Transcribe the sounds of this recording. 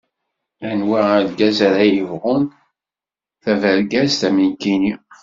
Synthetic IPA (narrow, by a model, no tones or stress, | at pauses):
ænwaæðɡæzæɾæjəvʁʊn | θævəɾɡæzt̪æminkini